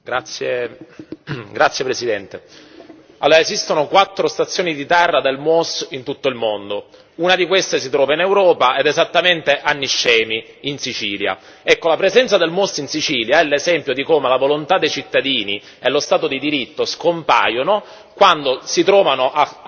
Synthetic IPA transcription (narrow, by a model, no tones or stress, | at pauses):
ɡɾat̪sːje | ɡɾat̪sːjepɾesid̪ɛnt̪e | alːoːɾaezist̪onokwat̪ːɾost̪at̪sːjoːnid̪it̪ɛrːad̪elmosint̪ut̪ːoilmond̪o | unad̪ikwest̪esit̪ɾɔːvainewɾɔːpaɛd̪ezat̪ːament̪eʔanːiʃːɛːmi | insit͡ʃiːlja̰ | ɛkːolapɾezɛnt̪sad̪elmosinsit͡ʃiːljaɛlːezɛmpjod̪ikomelavolont̪ad̪ːejt͡ʃit̪ːad̪iːni | elost̪aːt̪od̪id̪iɾit̪ːoskompa̰ːjono | kwand̪osit̪ɾɔːvanoʔa